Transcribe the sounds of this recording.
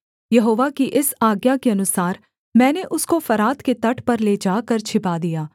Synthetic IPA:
jɐɦoːʋakiʔɪsaːɡjakeɐnʊsaːɾ | mɛ̃ːneʔʊskofɐɾaːt̪ket̪ɐʈʰpɐɾled͡ʒaːkɐɾt͡ʃʰɪpad̪ijaː

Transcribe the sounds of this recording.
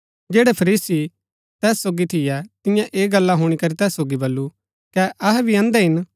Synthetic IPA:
d͡ʒeːɽɛpʰɐɾiːsi | t̪ɛːsːoːɡit̪ʰɪjɛt̪ɪjãʔeːɡɐlːaɦʊːɽ̃ikɐɾit̪ɛːsːoːɡibɐlːu | kɛʔɐɦɛbʱiɐ̃ːnd̪ɛɦɪn

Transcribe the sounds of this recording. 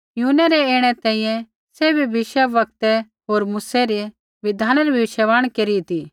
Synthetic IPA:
junɛɾɛeːɽ̃ɛt̪ɛ̃ːĩjɛ̃ | sebʱibʱɪʃaʋɐk̚t̪ɛ | ɦoːɾmuːsɛɾe | ʋɪd̪ʱaːnɛɾibʱiʃɛʋaːɽ̃keːɾit̪i

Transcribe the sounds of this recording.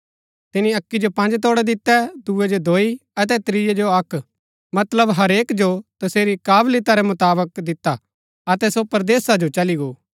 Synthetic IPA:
t̪ɪniɐkːid͡ʒopɐ̃nd͡ʒt̪oːɽɛd̪ɪt̪ːɛd̪uɛd͡ʒod̪ʱoːiɐt̪̬ɛt̪ɾijɛd͡ʒoɐkʰ | mɐt̪ləbɦɐɾeːkd͡ʒot̪ɐseːɾikaːblɪt̪aɾɛmʊt̪aːbək̚d̪ɪt̪ːa | ɐt̪ɛsopɐɾd̪eːsad͡ʒot͡ʃɐliɡoː

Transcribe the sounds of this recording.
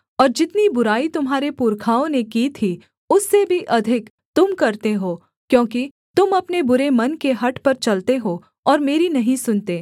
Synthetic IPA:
ɔːɾd͡ʒɪt̪nibʊɾaːit̪ʊmɦaːɾepʊɾkʰaːõnekiːt̪ʰi | ʊsːebʱiʔɐd̪ʱɪk | t̪ʊmkɐɾt̪eɦoː | kjõːki | t̪ʊmɐpnebʊɾemɐnkeɦɐʈpɐɾt͡ʃɐlt̪eɦoː | ɔːɾmeːɾinɐɦĩsʊnt̪eː

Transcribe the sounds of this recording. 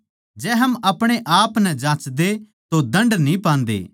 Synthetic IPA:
d͡ʒɛːɦɐmɐpɽ̃eʔaːpnɛd͡ʒãːt͡ʃd̪e | t̪od̪ɐ̃ɳɖnĩpãːnd̪ḛː

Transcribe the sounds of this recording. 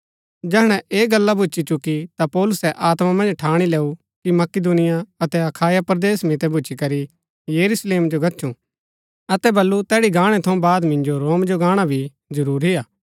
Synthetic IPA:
d͡ʒɛːɦɽ̃ɛ̃ʔeːɡɐlːabʱʊt͡ʃit͡ʃʊkːit̪apɔːlʊsɛʔaːt̪mamɐ̃nd͡ʒʈʰaːɽ̃ileːu | kimɐkɪd̪unɪjaɐt̪ɛɐkʰaːjapɾd̪eːsmɪt̪ɛbʱʊt͡ʃikɐɾi | jɐɾusleːmd͡ʒoɡɐtːʃʰũ | ɐt̪ɛbɐlːut̪ɛːɽiɡaːɽ̃ɛt̪ʰɐũbaːd̪mɪ̃ɲd͡ʒoɾoːmd͡ʒoɡaːɽ̃abʱi | zɐɾuːɾɦɪjaː

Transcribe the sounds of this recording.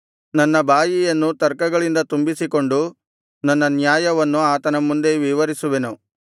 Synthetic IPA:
nɐnːɐbʱaːjijɐnːut̪ɐɾkɐɡɐɭind̪ɐt̪umbisiko̞ɳɖu | nɐnːɐnjaːjɐʋɐnːuaːt̪ɐnɐmːund̪e̞ʋiʋɐɾisuʋenu

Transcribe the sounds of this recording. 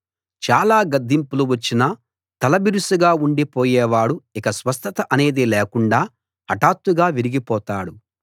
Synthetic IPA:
t͡ʃaːlaːɡɐd̪ʱːimpuluʋɐt͡ʃːinɐ | t̪ɐlɐbiɾusuɡaːuɳɖipoːjɛːʋaːɽuikɐsʋɐst̪ɐt̪ɐʔɐne̞ːd̪iːlɛːkuɳɖaː | ɐʈaːt̪ːuɡaːʋiɾiɡipɔːt̪aːɽu

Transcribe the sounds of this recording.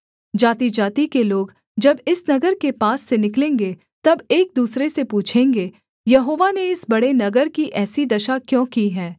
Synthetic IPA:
d͡ʒaːt̪id͡ʒaːt̪ikeloːɡ | d͡ʒɐbɪsnɐɡəɾkepaːsːenɪklẽːŋɡe | t̪ɐbeːk̚d̪uːsɾesepuːt͡ʃʰẽːŋɡe | jɐɦoːʋaneɪsbɐɽenɐɡəɾkiʔɛːsid̪ɐʃakjõːkiɦɛː

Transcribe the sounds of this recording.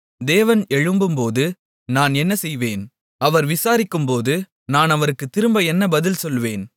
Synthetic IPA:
d̪eːʋɐnɛɻɯmbɯmpoːðɯ | naːnɛnːɐsɛjʋeːn | ɐʋɐɾʋɪsaːɾɪkːɯmpoːðɯ | naːnɐʋɐɾɯkːɯt̪ːɪɾɯmbɐɛnːɐbɐðɪlsɔlʋeːn

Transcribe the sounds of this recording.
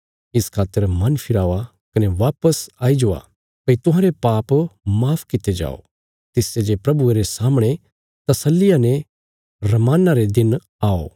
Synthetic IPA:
ɪskʰaːt̪ːəɾmɐnpʰɪɾaːʋa | kɐneʋaːpəsaːid͡ʒoa̰ | pɐit̪ʊ̃ɦãːɾepaːpmaːpʰkɪt̪ed͡ʒa̰ːo̰ | t̪ɪsed͡ʒepɾɐbueɾesaːmɽ̃e | t̪ɐsəlːɪjane | ɾɐmaːnaɾed̪ɪn | aːo̰

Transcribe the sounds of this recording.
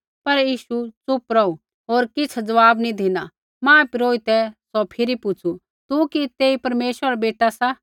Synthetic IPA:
pɐɾjiːʃut͡sʊpɾɔu | ɦoːɾkɪt͡sʰd͡zɐʋaːbnĩd̪ʱɪna | mãːpiɾoːit̪ɛsɔpʰɪɾipʊt͡ʃʰu | t̪ukit̪eːipɐɾmeːʃwəɾbeːʈasa

